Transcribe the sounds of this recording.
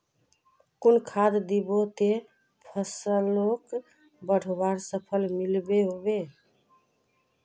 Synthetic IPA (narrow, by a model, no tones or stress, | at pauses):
kunkʰad̪d̪ibot̪e | pʰəsəlok | bəɽ̤ʱobaɾsəpʰəlmilbeɦobe